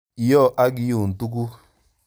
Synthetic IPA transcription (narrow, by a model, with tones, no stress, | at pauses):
jɔ˦˨ʔa˦ɡi˦ju˨n̩˨tu˦k̬u˦